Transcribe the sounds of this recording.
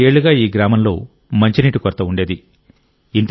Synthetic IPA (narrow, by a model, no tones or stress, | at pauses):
eːɭːuɡaːiːɡɾaːmɐmlo̞̰ː | mɐɲt͡ʃiniːʈukɔɾt̪ːɐuɳɖe̞ːd̪i | int̪